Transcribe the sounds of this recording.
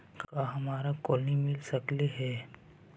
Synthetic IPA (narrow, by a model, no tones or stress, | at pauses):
kaːɦɐmaːɾakɔːlnimɪlsɐkleɦɛː